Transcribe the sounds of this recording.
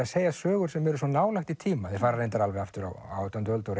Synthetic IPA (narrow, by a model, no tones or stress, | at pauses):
aseːjasœːɣʏɾ̥sɛmɛɾʏs̬wɔnaːwlajhxt̪it̪ʰiːmaðɪɾfaːɾaɾejnt̪aɾalvɛɣaft̪ʏɾa̰wa̰wt̪ʰɔnt̪œlt̪owɾ